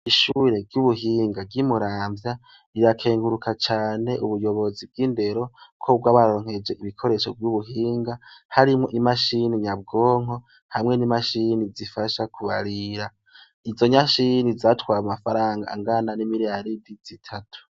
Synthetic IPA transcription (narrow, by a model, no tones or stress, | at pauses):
iʃuːɾe̞ɾjuβuɦiːŋɡaɾɟimuɾaːmbja | iɾakʰe̞ːŋɡuɾukʰat͡ʃaːne̞ʔuβujo̞βo̞zib̚ɡiːnde̞ɾo̞kʰob̚ɡaβaɾo̞ːŋ̥he̞d͡ʒe̞ʔiβikʰo̞ɾe̞ʃo̞vjuβuɦiːŋɡahaɾimŋo̞ʔimaʃiniɲab̚ɡoːŋ̥o̞ | hamŋe̞nimaʃinizifaʃakʰuβaɾiɾa | izo̞ɲaʃinizatwaːɾmumafaɾaːŋɡa̰ŋɡananimiɾijaɾidiz̥itʰatʰu̥